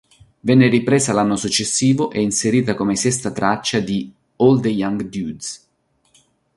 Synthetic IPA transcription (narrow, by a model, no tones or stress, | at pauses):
vɛnːeripɾeːzalanːosut͡ʃːesːiːvoʔɛinseɾiːt̪akomesɛst̪at̪ɾat͡ʃːad̪i | old̪ejaŋɡd̪jud̪s